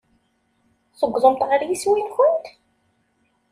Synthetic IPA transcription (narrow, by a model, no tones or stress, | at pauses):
θəɡʷːðˤəmt̪ʁəɾjiswinçʊnt̪